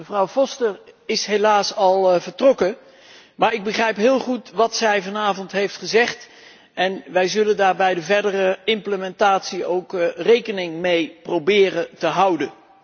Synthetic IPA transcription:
məvrɑwvɔstəɹɪsɦelaːsɑlˠvəɹtrɔkə | maːɹɪɡ̚bəχrɛjpɦɪːlˠχutʋɑtsɛjvɑnaːvɔntɦejftχəzɛχt | ʔɛnʋɛjzɵləndaːɹbɛjdəvɛɹdərəɪmpləmɛntaːtsiowkrejkənɪŋmejprowbɪːrətəɦʌwdən

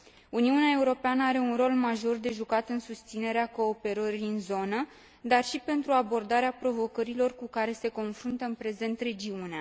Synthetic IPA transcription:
uniuneae̞uɾo̞peanəaɾe̞unro̞lmaʒo̞rd̪e̞ʒukat̪ɨnsust̪sine̞ɾeako̞ːpe̞ɾəɾiɨnzo̞nə | d̪arʃipe̞nt̪ɾuabo̞rd̪aɾeapɾo̞vo̞kəɾilo̞rkukaɾe̞se̞ko̞nfɾunt̪əɨnpɾe̞ze̞nt̪re̞d͡ʒiunea

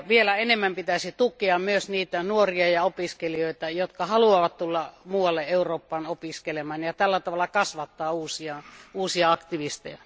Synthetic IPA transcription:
ʋielæenemːæmpit̪æsit̪ukeɑmmyøsniːt̪ænuoriɑjɑopiskelioˑit̪ɑjot̪kɑhɑluɑʋɑt̪t̪ulːɑmuːwɑlːeʔeuroːpːɑːnopiskelemɑːnjɑt̪ælːæt̪ɑʋɑlːˑɑkɑsʋɑt̪ːɑːuːsiɑuːsiɑɑkt̪iʋist̪ḛjæ

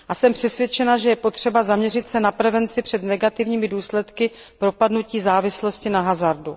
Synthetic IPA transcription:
ʔasɛmpr̝̥ɛsvjɛt͡ʃɛnaʒɛjɛpo̞t̪r̝̥ɛbazamɲɛrɪt̪sɛnapɾɛvɛnt͡sɪpr̝̥ɛdnɛɡat̪ɪvɲiːmɪduːslɛt̪kɪpɾo̞padnuciːzaːvɪslo̞scɪnaɦazaɾdu

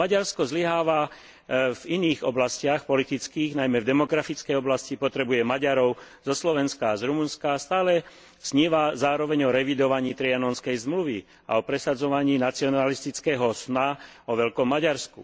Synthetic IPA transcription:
maɟaɾskɔzliɦaːʋa | viniːɣɔblascɪaxpɔlit̪it͡skiːɣnajmɛvd̪ɛmɔɡɾafit͡skɛjɔblascipɔt̪ɾɛbujɛmaɟaɾɔʊ | z̥ɔslɔʋɛnskaːzɾumunskast̪aːlɛ | sɲiːʋazaːɾɔʋɛɲɔɾɛʋid̪ɔʋaɲiːt̪ɾianɔnskɛjzmluʋi | a̰ɔpɾɛsad͡zɔʋaɲiːnat͡siɔnalist̪it͡skɛːɦɔsnaɔʋɛʎkɔmːaɟaɾskṵ

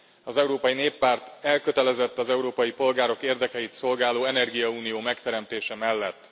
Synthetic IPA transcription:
ɒzɛuɾoːpɒjineːpːaːrt̪ɛlkøt̪ɛlɛzɛt̪ːɒzɛuɾoːpɒjipo̞lɡaːɾo̞keːrd̪ɛkɛjit̪so̞lɡaːloːɛnɛrɡijɒuːnijoːmɛkt̪ɛɾɛmt̪eːʃɛmɛlːɛt̪ː

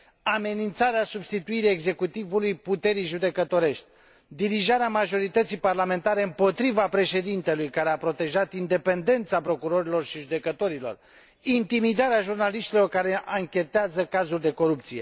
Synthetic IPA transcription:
ame̞nint̪saɾeasubst̪it̪uiɾieɡze̞kut̪ivulujput̪e̞ɾijʒud̪e̞kət̪o̞ɾe̞ʃt̪ʲ | d̪iɾiʒaɾeamaʒo̞ɾit̪ət̪sijparlame̞nt̪aɾe̞ɨmpo̞t̪ɾivapɾe̞ʃe̞d̪int̪e̞lujkaɾeapɾo̞t̪e̞ʒat̪ind̪e̞pe̞nd̪e̞nt̪sapɾo̞kuɾo̞ɾilo̞rʃiʒud̪e̞kət̪o̞ɾilo̞̰r | int̪imid̪aɾeaʒurnaliʃt̪ilo̞rkaɾe̞ʔaŋkʲe̞t̪eazəkazulʲd̪e̞ko̞ɾupt̪sije̞̰

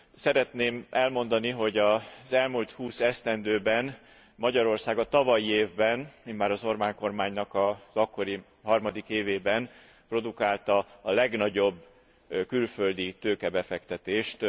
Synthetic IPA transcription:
sɛɾɛt̪neːmʔɛlmo̞nd̪ɒniɦo̞ɟɒzɛlmult̪huːsɛst̪ɛnd̪øːbɛn | mɒɟɒɾo̞rsaːɡɒt̪ɒvɒjieːvbɛnminmaːɾɒzo̞rbaːŋko̞rmaːɲnɒkɒzɒkːo̞ɾi | ɦɒrmɒd̪ikeːveːbɛn | pro̞d̪ukaːlt̪ɒːlɛɡnɒɟo̞bː | kylfø̞ld̪it̪øːkɛbɛfɛkt̪ɛt̪eːʃt̪

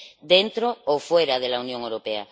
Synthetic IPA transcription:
d̪ent̪ɾoofweɾaðelaunjoŋewɾopea̰

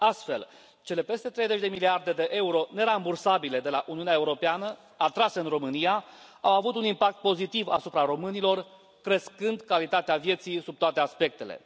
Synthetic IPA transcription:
ast̪fe̞̰l | t͡ʃe̞le̞pe̞st̪e̞t̪ɾe̞jzet͡ʃʲd̪e̞miliard̪e̞d̪e̞ʔe̞uɾo̞ne̞ɾambursabile̞d̪e̞laʔuniunaeuɾo̞peanə | at̪ɾase̞ɨnro̞mɨnija | awavut̪unimpak̚t̪̚po̞zit̪iva̰supɾaɾo̞mɨnilo̞r | kɾe̞skɨnd̪kalit̪at̪eavje̞t̪sijsub̚t̪oat̪e̞aspe̞k̚t̪e̞le̞̰

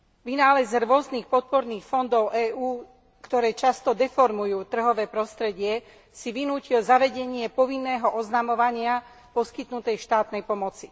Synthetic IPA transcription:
ʋinaːlɛzɾʊɔzniːxpɔt̪̚pɔɾniːxfɔnd̪ɔʊʔɛːʔuː | kt̪ɔɾɛːt͡ʃast̪ɔd̪ɛfɔɾmujuːt̪r̩ɦɔʋɛːpɾɔst̪ɾɛɟɪɛ | siʋinuːcilzaʋɛɟɛɲɪɛpɔʋinːɛːɦɔʔɔznamɔʋaɲɪa | pɔskit̪nut̪ɛjʃt̪aːt̪nɛjpɔmɔt͡si

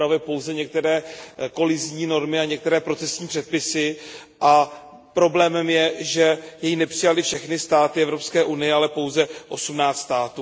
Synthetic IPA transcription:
ɾavjɛpo̞wzɛɲɛk̚t̪ɛɾɛːko̞lɪzɲiːno̞ɾmɪaɲɛk̚t̪ɛɾɛːpɾo̞t͡sɛsɲiːpr̝̥ɛt̪̚pɪsɪʔa | pɾo̞blɛːmɛmjɛʒɛjɛjinɛpr̥ɪjalɪfʃɛxnɪst̪aːt̪ɪɛvɾo̞pskɛːʔunɪjɛalɛpo̞wzɛʔo̞sumnaːt͡st̪st̪aːt̪uː

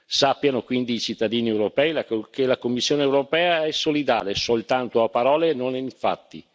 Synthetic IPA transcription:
sapːjanokwind̪iːt͡ʃit̪ːad̪iːniewɾopɛːilakelakomːisːjoːneːwɾopɛːaɛsːolid̪a̰ːlesolt̪ant̪oapːaɾɔːlenoniɱfa̰t̪ːḭ

